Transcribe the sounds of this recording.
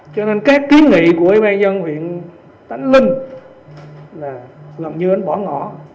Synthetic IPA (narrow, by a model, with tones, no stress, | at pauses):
t͡ɕɔ˧ne˧nkaː˦˥kːi˨˦ənŋḭ˧˨ku˧˩əʔiː˧ɓaː˧nzə˧nhwḭ˧˨ən | t̪a˧˩jŋ̟lï˧ŋ̟ | laː˨˩ɣə˨˩nɲɨ˧ʔə˧˦nɓɔ˧˩˦ŋɔ̰˧˨